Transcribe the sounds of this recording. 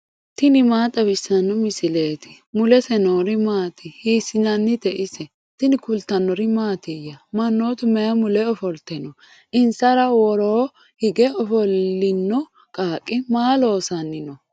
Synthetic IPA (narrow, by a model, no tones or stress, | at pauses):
t̪ɪnɪmaːt̪ʼːɐbɪsːɐnːɔmɪsɪleːt̪ɪ̥ | mʊlɛsɛnoːɾɪmaːt̪ɪhiːsɪnɐnːɪt̪ɛʔɪsɛ | t̪ɪnɪkʊlt̪ːɐnːɔɾɪmaːt̪ɪjɐmɐnːoːt̪ʊmɛjɐmʊlɛɔfɔlt̪ɛnɔ | ʔɪnsɐɾɐwɔɾoː | hɪɡɛɔfɔlːɪnːɔ | kʼaːkʼːɪmaːlo̞ːsɐnːɪnɔ